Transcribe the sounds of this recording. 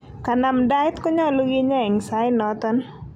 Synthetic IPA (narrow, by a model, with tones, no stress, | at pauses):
ka˨na˨mda˦ɪ˦t̪kɔ˦ɲɔ˦˨lu˦ɡi˦ɲɔ˦ɛ˨ŋsa˨˦ɪ˦nɔ˨t̪ɔ˦n